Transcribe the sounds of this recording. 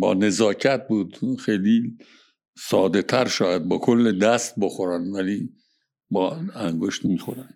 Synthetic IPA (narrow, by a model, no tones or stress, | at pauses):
bɒ̰ːne̞zɒːcʰæt̪̚buːd̪xejli | sɒːd̪e̞t̪ʰæɾʃɒːjæd̪̚bɒːkʰolːed̪æst̪̚boxoɾænvæliː | bɒːæŋɡoʃt̪mixoɾæn